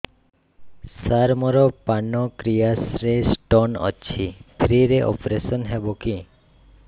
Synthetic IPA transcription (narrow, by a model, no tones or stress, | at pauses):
saɾmɔɾɔpaɳːɔkɾijasɾesʈɔnɔ̰ːɕʰipʰɾiɾeʔɔ̰pɾesɔnɦeboki